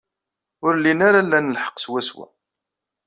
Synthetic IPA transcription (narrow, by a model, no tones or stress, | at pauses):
ʊɾlːinaɾalːænəlħə̥qːswæswæ̰